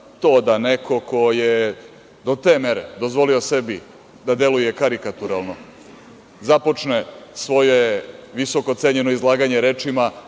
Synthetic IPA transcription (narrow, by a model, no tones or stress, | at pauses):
t̪o̞ːd̪anekʰo̞ko̞je | d̪o̞t̪e̞ːme̞ɾḛd̪ozʋo̞lio̞se̞bi | d̪ad̪e̞lujekaɾikat̪uɾalˠno̞ | zapo̞t͡ʂnesʋo̞jeʋiso̞kot̪seɲenoizlˠaːɡaɲe̞ɾeːt͡ʂima